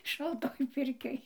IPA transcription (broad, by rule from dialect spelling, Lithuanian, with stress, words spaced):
ʃɐlˠˈtoːj ˈpʲɪrʲkʲoːj